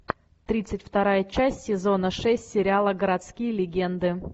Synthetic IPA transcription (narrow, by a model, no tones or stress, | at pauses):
t̪ɾʲit̪sɨtʲft̪ɐɾajət͡ɕæsʲtʲsʲɪzo̞nəʂɛsʲtʲsʲɪɾʲɪalˠəɡəɾɐt̪skʲijəlʲɪɡʲe̞nd̪ɨ